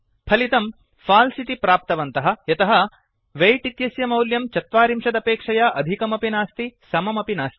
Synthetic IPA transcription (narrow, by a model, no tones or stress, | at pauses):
pʰɐlit̪ɐm | faːlsit̪ipɾaːp̚t̪ɐʋɐnt̪ɐɦɐ̆jɐt̪ɐɦɐ | ʋejʈit̪jɐsjɐmɐwljɐmt͡ʃɐt̪ʋaːɾimʂɐd̪ɐpeːkʂɐjaʔɐd̪ʱikɐmɐpinaːst̪isɐmɐmɐpinaːst̪i̥